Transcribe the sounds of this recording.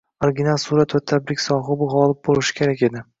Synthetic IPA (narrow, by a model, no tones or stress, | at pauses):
oɾɡʲɪnalˠsuɾat̪vat̪ʰːabɾɪkʲsɒɦɨbʊɦɒlˠɪp̚bolˠɪʃɪ̥kʲʰe̞ɾakʲe̞d̪ɪ